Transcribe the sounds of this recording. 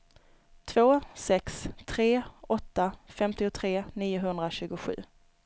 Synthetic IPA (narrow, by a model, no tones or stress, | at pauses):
t̪ʰvoːsɛkst̪ʰɾeːɔt̪ːafɛmt̪ɪʊt̪ʰɾeːniːʊɦɵnd̪ɾaɕʉ̟ːɡʊɧʉ̟̰ː